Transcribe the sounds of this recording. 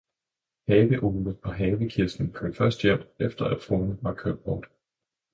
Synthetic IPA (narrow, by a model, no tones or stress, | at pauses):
hɛːʋəʔoːbəðˠpʰɒ̽ɦɛːʋəkʰesd̥n̩pʰøfɶɐsd̥jem̰d̥efd̥ɐæd̥foːnəʋɑ̈kʰøb̥̚b̥ɒːd̥